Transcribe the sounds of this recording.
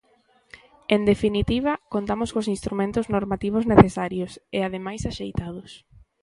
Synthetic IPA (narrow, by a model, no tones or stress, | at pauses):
end̪efinit̪iβ̞ɐkont̪amoskos̬ĩnst̪ɾumẽnt̪ʊznoɾmat̪iβ̞ʊzneθesaɾjoseaðemajsaʃejt̪að̞ʊs